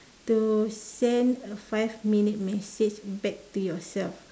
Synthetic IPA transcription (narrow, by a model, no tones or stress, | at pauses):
tusɛ̃ndəfajvminit̚mɛsed͡ʒbɛk̚tujɔsɛlf